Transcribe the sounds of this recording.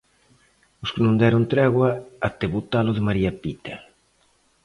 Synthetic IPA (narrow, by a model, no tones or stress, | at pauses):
ʊskɪnũnd̪ɛɾʊnt̪ɾɛɣwaat̪eβut̪aloðemaɾiapit̪a